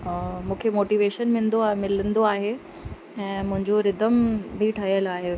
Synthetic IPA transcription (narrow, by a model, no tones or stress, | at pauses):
mũːkʰemoːʈiːʋeːʃənmɪ̃nd̪omɪlənd̪oaːɦe | ɛ̃ːmʊ̃ɦɪ̃ɲd͡ʑoɾɪd̪əmbʱiʈʰɐɦijəlaːɦeː